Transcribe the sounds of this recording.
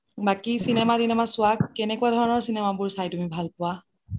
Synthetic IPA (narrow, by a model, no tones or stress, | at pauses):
bakisinɛmadinamasʊakːɛnɛkʊadʱɔɹɔnɔɹsinɛmabʊɹsajtumibʱalpʊwa